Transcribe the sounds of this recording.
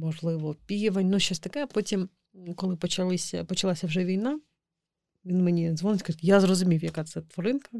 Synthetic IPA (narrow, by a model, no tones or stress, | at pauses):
mɔʒlˠɪʋɔpʲijʋɐnʲnʊʃʲt͡ʃːɔsʲt̪ɐkɛpɔtʲim | kɔlˠɪpɔt͡ʃɐlˠɪsʲɐ̰pɔt͡ʃɐlˠasʲɐwʒɛʋʲijn̪ɑ | ʋʲinmenʲizʋɔnɪtʲkɐjazrɔzʊmʲiwjɐkɑt̪sɛt̪ʋɔɾɪnkɐ